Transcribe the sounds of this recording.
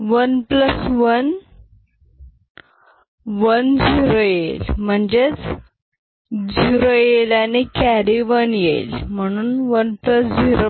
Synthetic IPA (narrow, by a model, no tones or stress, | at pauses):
ʋənpləsʋən | ʋənd͡ʑiɾojelm̤əɳd͡ʑet͡s | d͡ʑiɾojelanikæɾiʋənjḛlm̤əɽ̃uːnʋənpləsd͡ʑiɾo